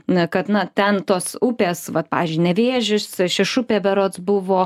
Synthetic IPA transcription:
kɐt̪nɐt̪ʲɛnt̪oːsʊpʲeːsʋɐt̪pɑ̰ːʋʲiːzʲd͡ʒʲʊyɪnʲɛʋʲeːʒʲɪsʃʲɪʃʊpʲeːbʲɛɾoːt̪sbʊʋoː

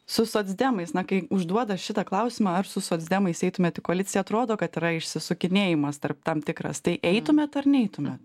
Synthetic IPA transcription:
sʊsoːd̪zʲd̪ʲæːmɐɪsnɐkɐɪʊʒd̪uɔd̪ɐʃʲɪt̪ɐklˠɐʊsʲɪmɑːɐrsʊsoːd̪zʲd̪ʲɛmɐɪsɛɪt̪ʊmʲeːt̪ɪkoɐlʲɪtt͡sʲɪjɛɐt̪ɾoːd̪oːkɐt̪ɪɾɐɪʃʲsʲɪsʊkʲɪnʲeːjɪmɐst̪ɐrp̚t̪ɐmt̪ʲɪkɾɐ̰st̪ɐɪʔɛɪt̪ʊmʲeːt̪ɐrnʲɛɪt̪ʊmʲet̪

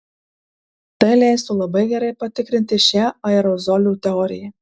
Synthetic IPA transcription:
t̪ɐɪlʲæɪst̪ulˠɐbɐɪɡʲɛɾɐɪpɐt̪ʲɪkɾʲɪnʲt̪ʲɪʃʲæɐɛɾɔzɔlʲut̪ʲɛɔɾʲɪ̰jɛ

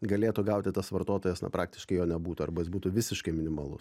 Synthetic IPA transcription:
ɡɐlʲeːt̪ʊɡɐʊt̪ʲɪt̪ɐsʋɐrt̪oːt̪oːjɛsnɐ̰pɾʔɑ̰ːk̚t̪ʲɪ̥ʃkɐɪjoːnʲɛbuːt̪ʊɐ̰rbɐjɪsbuːt̪uʋʲɪsʲɪʃkɐɪmʲɪnʲɪmɐlˠʊ̰s

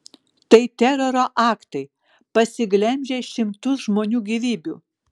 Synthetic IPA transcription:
t̪ɐɪt̪ʲɛɾoɾoːʔɑːkt̪ɐɪ | pɐsʲɪɡlʲɛmʲd͡ʒʲeːʃʲɪmt̪ʊsʒmoːnʲuːɡʲiʋʲiːbʲuː

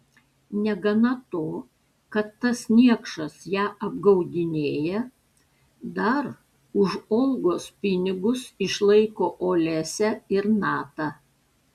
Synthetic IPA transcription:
nʲɛɡɐnɐt̪oː | kɐt̪ːɐsnʲiɛkʃɐsjæːʔɐb̚ɡɐʊd̪ʲɪnʲeːjɛ | d̪ɐɾ | ʊʒɔːlˠɡoːspʲɪnʲɪɡʊsɪʃlˠɐɪkoːʔoːlʲæsʲɛɪɾnɑːt̪ɑ

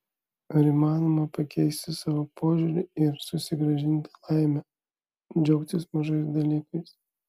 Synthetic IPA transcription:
ɐɾiːmɑːnomɐpɐkʲɛɪsʲt̪ʲɪsɑːʋopʰoːʒʲʊɾʲɪɪɾsʊsʲɪɡɾɐʒʲɪnʲt̪ʲɪ̥lˠɑɪmʲɛ | d͡ʒʲɛʊk̚t̪ʲɪsmɐʒɐɪs̬d̪ɐlʲiːkɐɪs

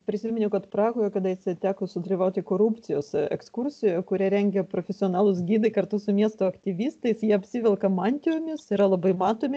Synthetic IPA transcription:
pʲɾʲɪsʲimʲɪnʲʊkɐt̪pɾɑːɡoːjɛkɐd̪ɐjɪsʲɐɪt̪ʲæːkosʊd̪ɐlʲiːʋɐʊt̪ʲɪkoːɾupʲt̪sʲɪjoːsɛ̰kskuɾʲsʲɪjoːjɛkʊɾʲɛɾʲɛŋʲɡʲɛpɾoːfʲɛsʲɪoːnɑːlˠʊs̬ɡʲiːd̪ɐɪkɐɾt̪ʊsʊmʲiɛst̪oːɐkt̪ʲɪʋʲiːst̪ɐɪsjiɛɐpʲsʲiʋʲɛlˠkɐmɑːnʲt̪ʲɪjomʲɪsɪɾɐlˠɐbɐɪmɑːt̪oːmʲɪ

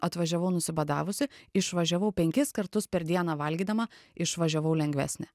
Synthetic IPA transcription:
ɐt̪ʋɐʒʲɛʋɐʊnʊsʲɪbɐd̪ɑːʋʊsʲɪɪʃʋɐʒʲɛʋɐʊpʲɛŋʲkʲɪskɐɾt̪ʊspʲɛɾd̪ʲiɛnɑːʋɐlʲɡʲiːd̪ɐmɐɪʃʋɐʒʲɛʋɐʊlʲɛŋʲɡʲʋʲæ̰ːsʲnʲɛ

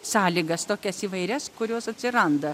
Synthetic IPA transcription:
sɑːlʲiːɡɐst̪oːkʲɛsiːʋɐɪɾʲɛskʊɾʲoːsɐt̪ʲsʲɪɾɐnd̪ɐ

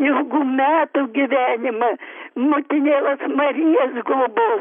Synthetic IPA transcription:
jɛʊɡuːmʲæːt̪ʊɡʲɪʋʲæːnʲɪmɐmʊt̪ʲɪnʲeːlˠɐsmɐɾʲijɛsɡlˠʊboː

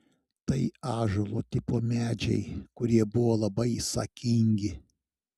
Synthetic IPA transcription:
t̪ɐɪɑːʒolˠot̪ʲɪpoːmʲæːd͡ʒʲɛ̰ɪkʊɾʲiɛbʊʋoːlˠɐbɐɪsɐ̰kʲɪŋʲɡʲɪ

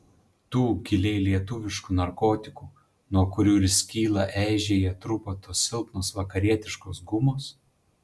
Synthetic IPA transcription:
t̪uːɡʲɪlʲɛɪlʲiɛt̪ʊʋʲɪʃkuːnɐɾkoːt̪ʲɪkuː | nuɔkʊɾʲuːɾʲɪsʲkʲiːlˠɐʔæˑːʒʲeːjɛt̪ɾʊpot̪oːsɪlˠpnoːsʋɐkɐɾʲiɛt̪ʲɪʃkoːsɡʊmoːs

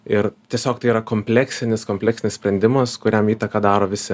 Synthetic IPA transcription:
ɪɾt̪ʲiɛsʲoːkt̪ɐɪiːɾɐkoːmʲpʲlʲæksʲɪnʲɪskoːmʲpʲlʲɛːksʲɪnɪsʲpʲɾʲɛnʲd̪ʲɪmɐskʊɾʲɛmiːt̪ɐkɑd̪ɑːɾoːʋʲɪsʲɪ

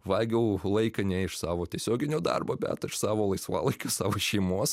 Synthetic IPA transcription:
ʋɑːlɡʲɛʊlˠɐɪkɐnʲɛɪʃsɑːʋoːt̪ʲiɛsʲoːɡʲɪnʲoːd̪ɑ̰rboːbʲæ̰ːt̪ɐɪʃsɑːʋoːlˠɐɪsʋɑ̰ːlˠɐɪkʲoːsɑːʋoːʃʲɛɪmoːs

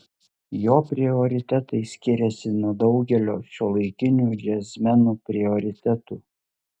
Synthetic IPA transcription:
joːpʲɾʲɪɔɾʲɪt̪ʲɛt̪ɐɪsʲkʲɪɾʲɛsʲɪnuɔd̪ɒʊɡʲɛlʲoːʃʲolˠɐɪkʲɪnʲuːd͡ʒʲɛsʲmʲɛnuːpʲɾʲɪɔɾʲɪt̪ʲɛt̪uː

